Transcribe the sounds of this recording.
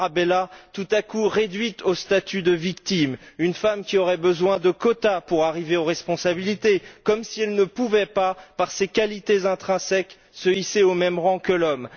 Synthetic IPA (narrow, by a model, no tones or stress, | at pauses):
abelat̪ut̪akuʁed̪ɥit̪ost̪at̪yd̪əvikt̪imynfamkʲiɔʁɛbəzwɛ̃d̪əkɔt̪apuʁaʁiveoʁɛspɔ̃sabilit̪ekɔmsiɛlnəpuvɛpapaʁsekʲalit̪ezɛ̃t̪χɛ̃sɛk | səiseomɛmʁɑ̃kəlɔm